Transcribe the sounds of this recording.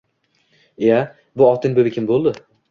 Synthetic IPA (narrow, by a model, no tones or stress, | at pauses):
ja | bʊɒt̪ʰɪnbɵbɪkʰʲɪmbolˠd̪ɪ